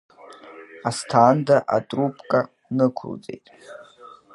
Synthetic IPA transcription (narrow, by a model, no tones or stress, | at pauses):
astʰaːndaʔatʼrupʰʼkʼa | nɨkʷʰʊ̰lt͡sʼe̞̰jtʼ